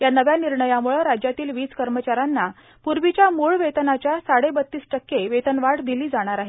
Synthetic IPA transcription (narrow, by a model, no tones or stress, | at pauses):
janəʋjaniɾɳəjamuɭəɾad͡ʑjat̪iːlʋiːt͡skəɾmət͡ɕaɾanːa | puɾʋit͡ɕjamuɭʋet̪ənat͡ɕjasaɽebət̪ːiːsʈəkːeʋet̪ənʋaɽd̪iliːd͡zaɽ̃aɾaɦe